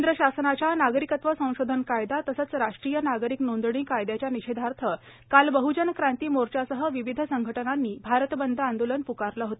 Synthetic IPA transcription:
nd̪ɾəɕasənat͡ɕjanaɡɾikət̪ʋəsə̃w̃ɕod̪ʱənkajd̪at̪əsət͡sɾaʂʈɾijənaɡɾiknond̪ɽ̃iːkajd̪jat͡ɕjaniɕed̪ʱaɾt̪ʰə | kalbəɦud͡ʑənkɾãnt̪iːmoɾt͡ɕasəɦəʋiʋid̪ʱəsəŋɡʱəʈənanːiːbʱaɾət̪bənd̪ʱəand̪olənpukaɾləɦot̪a

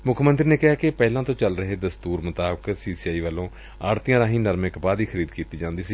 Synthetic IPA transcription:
mʊkʰmənt̪ɾineːkɪɦaːkepɛːlãːt̪õːt͡ʃəlɾəɦeːd̪əst̪uːɾmət̪aːbəksiːsiaːiːʋəlõː | aːɾt̪ijãːd̪ãːɦiːnəɾmɪkbaːd̪iːxʰəɾiːd̪kiːt̪iːd͡ʒãːnd̪iːsiː

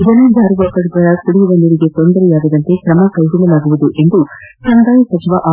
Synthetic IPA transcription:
id̪ɐnud͡ʒaːɾuʋɐkɐɽɐɡɐɾɐkuɽijuʋɐnd̪ɐɾiɡe̞t̪ond̪ɐɾɛjaːɡɐd̪ɐnt̪e̞kɾɐmɐkɐjɡulɐlaːɡuʋud̪uʔe̞nd̪u | sɐnɡ̪aːjsɐt͡ʃiʋɐʔaː

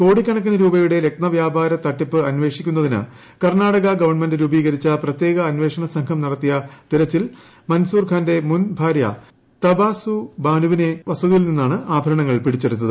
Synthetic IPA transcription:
ko̞ːɽikʲːɐɳɐk̬ːinɐɾuːbɐjuɽe̞lek̚t̪nɐʋjaːbʱaːɾɐt̪ɐʈːipːɨɐnʋe̞ːʂikʲːun̪ːɐðinɨ̰ | kɐrɳaːɽɐɣɐɡɐʋɐrɳme̞ndɨɾuːbiːɣɐɾit͡ɕːɐprɐt̪jeːɣɐːnʋe̞ːʂɐɳɐsɐŋɡʰʱɐmnɐɽɐt̪ːijɐt̪iɾɐt͡ɕːil | mɐnsuːrkʰaːnde̞munbʱaːɾjɐ̰ | t̪ɐbaːsubaːnuʋine̞ʋɐsɐðjilninːaːɳɨaːbʱɐɾɐɳɐŋːɐɭpiɽit͡ɕːɐɾut̪nːɐðɨ

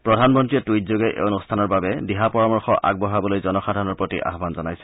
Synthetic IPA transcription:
pɹɔdʱanmɔntɹiɛtujtzoɡɛʔḛwnustʰanɔɹbabɛdiɦapɔɹamɔɹxɔʔa̰ɡ̚bɔɦabɔlojzɔnɔxadʱanɔɹpɹotḭʔa̰ɦbanzɔnajsɛ̥

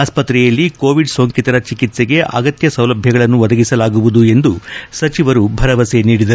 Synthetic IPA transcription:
aːspɐt̪ɾɛjɐlːiko̞ːʋiɖsoːŋkit̪ɐɾɐt͡ʃikit̪seɡe̞ʔɐɡɐt̪jɐsɐwlɐbʱjɐɡɐɭɐnːuʋɐd̪ɐɡisɐlaːɡuʋud̪ue̞nd̪usɐt͡ʃiʋɐɾubʱɐɾɐʋɐseniːɽid̪ɐɾu

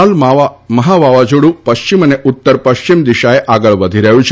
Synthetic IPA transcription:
almməɦaʋaʋad͡ʒuɽũpəʃt͡ʃiməneʔʊt̪ːəɾpəʃt͡ʃimd̪iʃaeʔaɡəɭʋəd̪ʱiɾəɦjũt͡ʃʰ

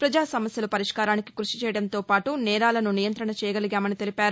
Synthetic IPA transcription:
pɾɐd͡ʒaːsɐmɐsjɐlupɐɾiʂkaːɾaːniki̥kɾuʂi̥t͡ʃɛːjɐɽɐnt̪o̞ːpaːʈunɛːɾaːlɐnunijɐnt̪ɾɐɳɐt͡ʃɛːjɐɡɐliɡʲaːmɐnit̪e̞lipaːɾu

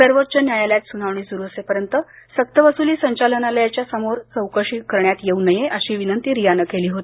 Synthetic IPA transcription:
səɾʋot̪̚ːt͡ɕənjajaljat̪sunaʋɳiːsuɾuːəsepəɾjənt̪əsək̚t̪əʋəsuliːsəɲt͡ɕalənalajat͡ɕjasəmoɾt͡səwkəʂiːkəɾɳjat̪jeunəjeʔəɕiːʋinənt̪iːɾijanəkːeliːɦot̪ii

